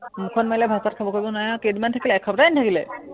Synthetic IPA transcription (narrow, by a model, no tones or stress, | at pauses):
mukʰɔnmajlɛbʱasat̚kʰabɔkojbɔnajãkedmantʰakilɛːkʰɔbɾajntʰakilɛ̰